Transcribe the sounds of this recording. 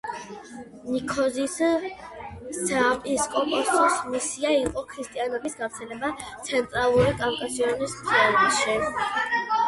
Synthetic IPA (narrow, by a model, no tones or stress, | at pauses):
nikʰɔzis | sapʼiskʼɔmpʼɔst̪ʼɔsmisiaiqʼɔkʰɾist̪ʼianɔbisɡavɾt̪sʰɛlɛbat̪sʰɛnt̪ʼɾalˠuɾikʼankʼasiɔnist̪ʰʼɛalɔnʃi